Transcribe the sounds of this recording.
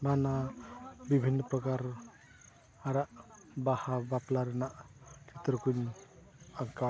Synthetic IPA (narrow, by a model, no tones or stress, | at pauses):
mana | bibʱinːəpɾɔkaɾ | aɾaʔ | bahabaplaɾnaʔkʰit̪ɾkujn | aŋka